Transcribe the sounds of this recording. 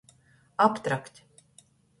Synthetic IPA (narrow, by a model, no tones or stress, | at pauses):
apt̪ɾaktʲ